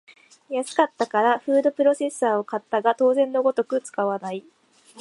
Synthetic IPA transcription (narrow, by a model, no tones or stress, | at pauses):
jasɨ̥kat̪ːakaɾaɸɯ̟ːd̪o̞pɯ̟ɾo̞se̞sːaːo̞kat̪ːaɡat̪o̞ːzẽ̞nːo̞ɡo̞t̪o̞kɯ̟t͡sɨ̥kaβanai